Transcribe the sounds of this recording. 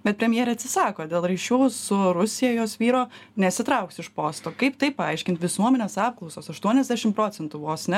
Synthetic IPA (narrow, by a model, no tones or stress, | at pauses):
bʲɛt̪̚pʲɾʲɛmʲjeːɾʲɛːɐt̪ʲsʲɪsɑːkoːd̪ʲeːlˠɾiʃʲuːsʊɾʊsʲɪjɛjoːsʋʲiːɾoːnʲɛsʲɪt̪ɾɐʊksɪʃpoːst̪oːkɐɪpt̪ɐɪppɐɐɪʃʲkʲɪnt̪ʋʲɪsuɔmʲɛnʲeːsɑːp̚klˠɒʊsoːsɐʃt̪uɔnʲɛzʲd̪ʲæːʃʲɪmpɾoːt͡s̪ʲɛnt̪ʊʋoːsnʲɛ